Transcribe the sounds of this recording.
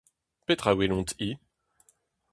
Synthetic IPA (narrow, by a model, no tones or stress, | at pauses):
pet̪χawilɔ̃t̪i